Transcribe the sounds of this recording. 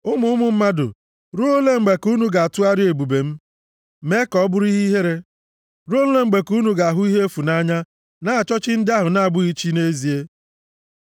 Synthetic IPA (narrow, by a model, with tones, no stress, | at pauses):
ʊ˦mʊ˨˦ʊ˦mʊ˨m̩˦ma˦dʊ̰˨ | ɾu˦o˦le˦ŋ͡m̩˨ɡ͡be˨ku˦nu˦ɡa˨a˨tu˦a˦ɾɪ˦e˨bu˨be˨m̩˦ | me˦kɔ˦bʊ˦ɾi˦ɦi˦ɦe˦ɾe˦ | ɾo˦n̩˦le˦ŋ͡m̩˦ɡ͡be˨ku˦nu˨ɡa˨a˨ɦʊ˦i˦ɦe˦fu˨na˦ɲa˦ | na˦a˨t͡ʃɔ˦t͡ʃɪ˦n̩˦dɪ˦a˦ɦʊ˨na˨a˨bʊ˦i˦t͡ʃi˦ne˦zi˨e˦